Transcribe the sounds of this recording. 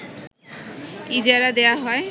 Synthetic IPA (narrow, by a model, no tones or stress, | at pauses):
id͡ʑaɾad̪eaɦɔe